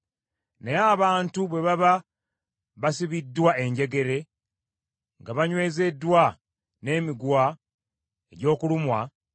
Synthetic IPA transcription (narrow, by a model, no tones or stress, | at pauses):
neaβaːntuβwe̞βaβa | βasiβidːwae̞ɲɟe̞ɡe̞ɾe̞ | ŋɡaβaɲwe̞ːze̞dːwa | ne̞ːmiɡwa | eɟo̞ːkulumwa